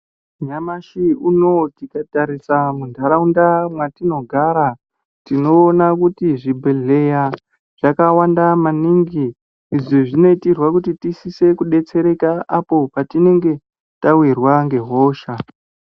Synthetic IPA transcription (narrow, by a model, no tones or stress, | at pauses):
ɲamaʃiuno̞tikataɾisamundʱaɾaundamwatino̞ɡʱaɾa | tino̞ːnakutiʐibʱeɮe̞ja | ʐ̥akawandamaniŋɡiː | ʐiʐino̞itirwakutitisise̞kuɗe̞t͡se̞ɾe̞kaapo̞patine̞ŋɡe̞ | tawirwaŋɡe̞ɦo̞ːʃa